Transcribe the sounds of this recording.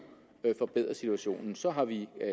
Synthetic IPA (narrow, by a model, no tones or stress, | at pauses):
fɒ̽b̥eð̰ˠʁɐsit͡sʰuæɕo̝̰ːnn̩sɒ̽ɦɑ̈ʋi